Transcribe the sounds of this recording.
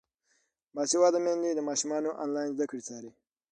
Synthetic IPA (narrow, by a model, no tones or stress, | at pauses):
mɑːsiwɑːd̪amẽnd̪id̪əmɑːʃumɑːnoʔa̰nlɑːjnzd̪akɽit͡sɑːɾi